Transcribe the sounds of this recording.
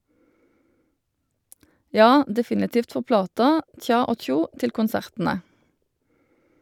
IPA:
ˈjɑː dɛˈfɪnɪtiːft ˈfɔʁ ˈplɑːtɑ ˈc͡çɑː ˈoː ˈc͡çuː ˈtɪl kʊnˈsæʁtn̩ə

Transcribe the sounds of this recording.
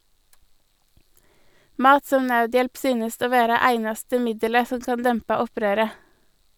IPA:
ˈmɑːt ˈsɔm ˈnɑʉˌdjɛlp ˈsyːnəst ˈoː ˈʋeːɾɑ ˈæɪnɑstə ˈmɪdələ ˈsɔm ˈkɑn ˈdɛmpɑ ˈɔˌpɾøːɾə

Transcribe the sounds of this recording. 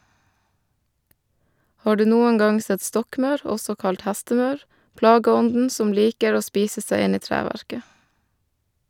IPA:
ˈhɑː ˈɖʉː ˈnuːəŋ ˈɡɑŋ ˈsɛt ˈstɔkˌmɑʉɾ ˈɔsɔ ˈkɑlt ˈhæstəˌmɑʉɾ ˈplɑːɡəˌɔndn̩ ˈsɔm ˈliːkəɾ ˈoː ˈspiːsə ˈsæɪ ˈɪn ˈiː ˈtɾæːʋæɾkə

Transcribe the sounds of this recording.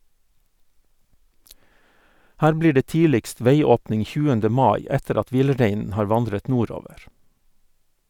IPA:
ˈhæːɾ ˈbliː ˈɖeː ˈtiːlɪkst ˈʋeɪˌoːpnɪŋ ˈçʉːəndə ˈmɑːˌɪ ˈɛtəɾ ˈɑt ˈʋɪlˌɾeɪnn̩ ˈhɑːɾ ˈʋɑndɾət ˈnuːˌɾoːʋəɾ

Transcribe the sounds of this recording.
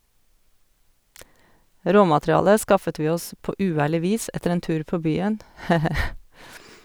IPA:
ˈɾoːmɑtɾɪˌɑːlə ˈskɑfət ˈʋiː ˈɔs ˈpoː ʉːˈæːɭɪ ˈʋiːs ˈɛtəɾ ˈeːn ˈtʉːɾ ˈpoː ˈbyːən ˈheː ˈheː

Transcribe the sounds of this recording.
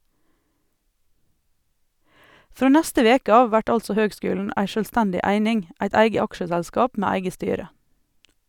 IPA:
ˈfɾoː ˈnæstə ˈʋeːkə ˈɑː ˈʋæʈ ˈɑlsɔ ˈhøːɡˌskʉːlɳ̩ ˈæɪ ˈʃøːlˌstɛndɪ ˈæɪnɪŋ ˈæɪt ˈæɪɡə ˈɑkʃəsɛlˌskɑːp ˈmæː ˈæɪɡə ˈstyːɾə

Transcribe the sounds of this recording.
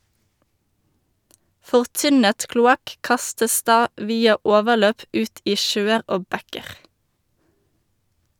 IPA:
fɔʁˈtʏnət klʊˈɑk ˈkɑstəs ˈdɑː ˈʋiːɑ ˈoːʋəʁˌløːp ˈʉːt ˈiː ˈʃøːəʁ ˈoː ˈbɛkəʁ

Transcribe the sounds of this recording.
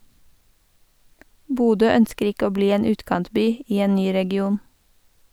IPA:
ˈbuːdøː ˈœnskəɾ ˈɪk ˈoː ˈbliː ˈeːn ˈʉːtkɑntˌbyː ˈiː ˈeːn ˈnyː ɾɛɡɪˈuːn

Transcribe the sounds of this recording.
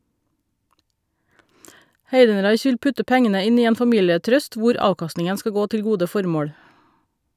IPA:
ˈheɪdn̩ˌɾɑɪç ˈʋɪl ˈpʉtə ˈpɛŋənə ˈɪn ˈiː ˈeːn fɑˈmiːləˌtɾœst ˈʋʊɾ ˈɑːkɑstnɪŋən ˈskɑ ˈɡoː ˈtɪl ˈɡuːdə ˈfɔɾmoːɽ

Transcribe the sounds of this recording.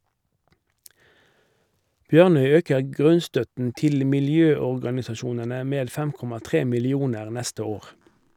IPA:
ˈbjœʁnœʏ ˈøːkəʁ ˈɡʁʉnˌstœtn̩ ˈtɪl mɪlˈjøːɔʁɡɑnɪsɑˌʃuːnənə ˈmeːd ˈfɛm ˈkɔmɑ ˈtʁeː mɪlɪˈuːnəʁ ˈnɛstə ˈoːʁ

